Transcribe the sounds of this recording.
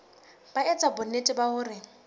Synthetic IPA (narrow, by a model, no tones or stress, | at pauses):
b̥aɛt͡sʼabʊnetʼɪbaɦʊːrɪ